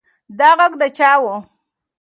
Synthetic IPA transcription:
d̪aɣaɡd̪ət͡ʃɑwo

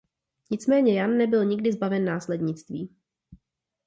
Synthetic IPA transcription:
ɲɪt͡smɛːɲɛjanːɛbɪlɲɪɡ̚dɪzbavɛnːaːslɛdɲɪt͡st̪viː

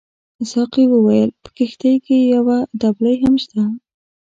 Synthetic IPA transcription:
ɪsɑqiwəwajəlpə̥kɪxt̪ajkejawad̪ablajɦamʃt̪a

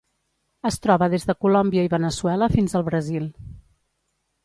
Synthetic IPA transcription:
əst̪ɾɔβəðezðəkulɔmbiəiβənəsuɛləfinzəlˠβɾəzilˠ

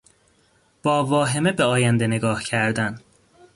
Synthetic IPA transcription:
b̥ɒːvɒːɦe̞mebeɒːjænd̪ene̞ɡɒːhcʰæɾd̪æn

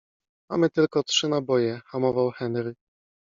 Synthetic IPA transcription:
ma̰mɘt̪ɘlkɔtʂɘnabɔjɛxamɔvawxɛnɾɘ

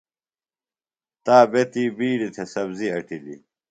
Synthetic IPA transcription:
t̪aːbet̪iːbiːɖit̪ʰesɐbziɐʈilḭ

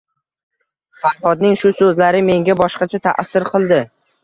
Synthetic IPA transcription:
faɾhɒd̪̚nɪŋʃʊsɵzlaɾɪme̞ŋɡʲabɒʃqɑt͡ʃʰat̪ʰa̰ʔsːɪɾqʰɨlˠd̪ɪ

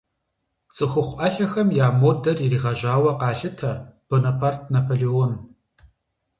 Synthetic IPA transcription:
t͡sʼɨxʷʊχʷʔɐɬɐxɐmjaːmoːdɐririːʁɐʒʷaːwɐqɑːɬɨtʰɐb̥onapʰart̚ʰnapʰoːleon

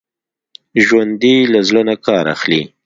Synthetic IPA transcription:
ʒwand̪ilazlonakɑːɾa̰xli

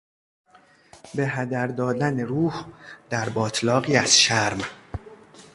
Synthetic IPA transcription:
be̞ɦæd̪æɾd̪ɒːd̪æneɾuːhd̪̥æɾbɒːt̪ʰlɒːɣiːæz̥ʃæɾm

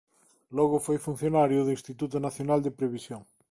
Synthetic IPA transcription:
lɔɣʊfojfun̟θjonaɾjʊðĩnst̪it̪ut̪ʊnaθjonald̪epɾeβisjoŋ

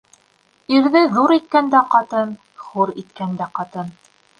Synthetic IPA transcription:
iɾðɘðuɾit̪̚kænd̪æqɑt̪ɤn | χuɾit̪kænd̪æqɑt̪ɤn

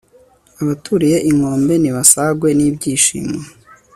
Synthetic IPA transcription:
aβatʰuɾije̞ʔiŋo̞ːmbe̞niβasaɡwe̞niːbɟiːʃḭːme

